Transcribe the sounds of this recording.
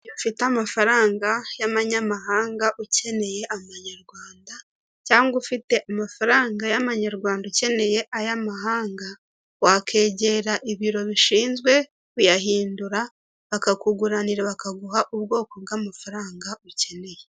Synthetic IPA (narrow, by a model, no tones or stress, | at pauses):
jofiteamafaɾaːŋɡajamaɲamaɦaːŋɡaʔuce̞ne̞je̞ʔamaɲaɾɡwaːnda | caːŋɡufite̞ʔamafaɾaːŋɡajamaɲaɾɡwaːndauce̞ne̞je̞ʔajamaɦaːŋɡa | wakʰe̞ːɟe̞ɾaʔiβiɾo̞βiʃiːnzɡwe̞ | ujaɦiːnduɾa | βakakuɡuɾaniɾeβakaɡuɦaʔuβɡo̞ːko̞ɡɡamafaɾaːŋɡauce̞ne̞je